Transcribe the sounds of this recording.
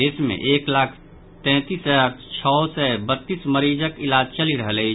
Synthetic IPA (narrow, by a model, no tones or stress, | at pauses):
esmḛ̃ʔeːklaːkʰ | t̪ɛ̃ːt̪iskʰt͡ʃʰɔsɛbət̪ːisməɾid͡ʒəkɪlaːd͡ʒt͡ʃəliɾəɦəlɛɪ